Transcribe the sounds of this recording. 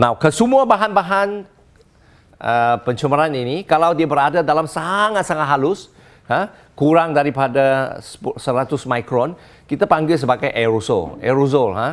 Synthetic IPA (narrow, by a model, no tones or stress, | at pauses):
nawkəsəmuabaɦanbaɦan | ʔəpəɲt͡ʃəməɾaninikalawdiabəɾadadalamsaŋat̪̚saŋat̪̚ɦalʊs | ha | kuɾaŋdaɾipadassəɾat̪ʊsmajkɾɔn | kit̪apaŋɡɪls̬əbaɡajʔɛɾosɔ̰lɛ̰ɾuzɔlɦa